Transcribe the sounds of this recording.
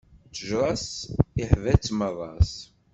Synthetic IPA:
t͡səʒɾˤɑsiħvæt͡sːməðˤɑs

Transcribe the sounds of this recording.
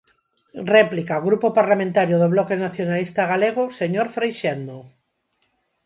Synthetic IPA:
rɛplikaoɣɾupopaɾlamẽnt̪aɾjoðoβlɔkenaθjonalist̪aɣ̞aleɣ̞oseɲoɾfɾejʃend̪o

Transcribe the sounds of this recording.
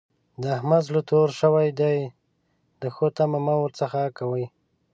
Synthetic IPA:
d̪əahmazlət̪oɾʃəwajd̪aj | d̪əxot̪amamawəɾt͡səxakawəj

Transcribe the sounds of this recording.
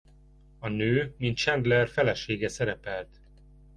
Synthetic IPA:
ɒnøːmint̪̚t͡ʃɛnd̪lɛrfɛlɛʃeːɡɛsɛɾɛpɛlt̪

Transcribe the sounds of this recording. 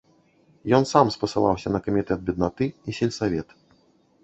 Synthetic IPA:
jɔnsamspɐsɨlˠa̰wsʲɐnɐkɐmʲit̪ɛd̪̚bʲɛd̪nat̪ɨisʲɛlʲsavʲɛt̪

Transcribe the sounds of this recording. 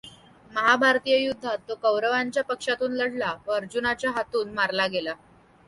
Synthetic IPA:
məɦabʱaɾt̪ijəjud̪ʱːat̪ːokəwɾəʋaɲt͡ɕjapəkʂat̪uːnləɽ̤laʋəəɾd͡ʑunat͡ɕjaɦat̪uːnmaɾlaɡela

